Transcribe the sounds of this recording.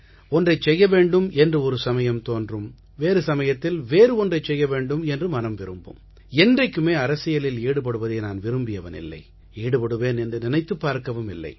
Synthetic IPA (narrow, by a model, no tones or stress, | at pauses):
ɔndrɐɪt͡ʃsɛjːɐʋeːɳɖɯmɛndrɯɔɾɯsɐmɐjɐmt̪oːndrɯm | ʋeːɾɯsɐmɐjɐt̪ːɪlʋeːɾɯɔndrɐɪt͡ʃsɛjːɐʋeːɳɖɯmɛndrɯmɐnɐmʋɪɾɯmbɯ̰m | ɛndrɐɪkːɯmeːɐɾɐsɪjɐlɪleːɽɯp̬ɐɽɯʋɐðeːnaːnʋɪɾɯmbɪjɐʋɐnɪ̰lːɐ̰ɪ | eːɽɯpɐɽɯʋeːnɛndrɯnɪnɐɪt̪ːɯpːaːɾkɐʋɯmɪ̰lːɐ̰ɪ